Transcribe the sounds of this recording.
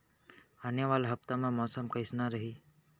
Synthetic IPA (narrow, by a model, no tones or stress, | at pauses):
anjəʋaːlɦəpt̪amãmɔːsəmkəɪsnaɾəɦiː